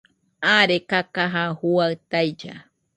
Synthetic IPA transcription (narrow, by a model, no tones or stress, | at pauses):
aɾekakaɦahuawt̪ajd͡ʒa̰